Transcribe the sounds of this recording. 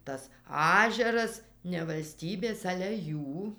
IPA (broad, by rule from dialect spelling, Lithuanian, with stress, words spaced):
tɐs ˈɑːʒʲɛrɐs nʲɛ ʋɐlʲˈsʲtʲiːbʲeːs ˈɑːlʲɛ ˈjuː